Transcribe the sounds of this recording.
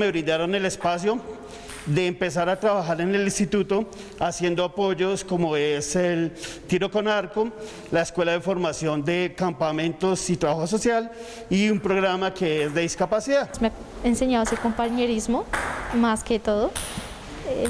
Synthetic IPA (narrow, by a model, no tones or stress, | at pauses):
me̞βɾind̪aɾo̞ne̞le̞spasjo | ðe̞ːmpe̞s̬aɾat̪ɾaβaxaɾe̞ne̞linst̪it̪ut̪o | asje̞nd̪oapo̞d͡ʒo̞sko̞moeselt̪iɾo̞ko̞naɾko | laeskwe̞laðefo̞ɾmasjo̞nd̪e̞kampamẽ̞nt̪o̞sit̪ɾaβaxos̬o̞sjal | iumpɾo̞ɣɾamakeezd̪e̞ðiskapasiðasmea | enseɲaðosekompaɲeɾizmomasket̪oðo | e